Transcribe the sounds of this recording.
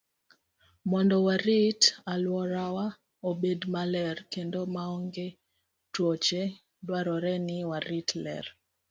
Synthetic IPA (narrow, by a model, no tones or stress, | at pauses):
mɔndɔwaɾitalwɔɾawa | obedmalɛrkendomaɔŋɡe | twot͡ʃe | dwaɾɔɾɛnɪwaɾitlɛ̰r